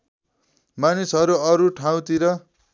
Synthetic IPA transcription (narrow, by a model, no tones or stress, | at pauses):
manisɦʌɾuʌɾuʈʰaw̃t̪iɾʌ